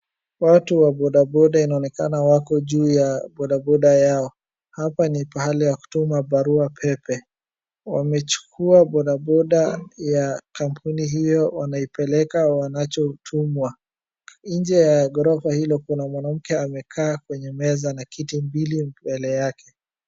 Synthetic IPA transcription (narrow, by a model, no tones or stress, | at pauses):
watuwaɓɔɗaɓɔɗainaɔnɛkanawakɔʄuːjaɓɔɗabɔɗajaɔ | hapanipahalijaku̥tumabaɾuapʰɛpɛ | wamɛt͡ʃu̥kʰuaɓɔɗaɓɔɗajakampʰuniɦijɔwanaipɛlɛkawanat͡ʃɔtʰumwa | ɲd͡ʒɛjaɡɔɾɔfahilɔkunamwanam̩kɛamɛkʰaːkwɛɲɛmɛzanakitimbilibɛlɛjakɛ